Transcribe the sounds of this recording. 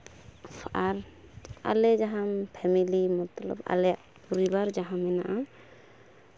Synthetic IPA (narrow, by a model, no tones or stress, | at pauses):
aɾa̰lɛd͡ʒaɦampʰɛmilimɔt̪lɔ̰ba̰lɛaʔ | puɾibaɾd͡ʒaɦamɛnaʔa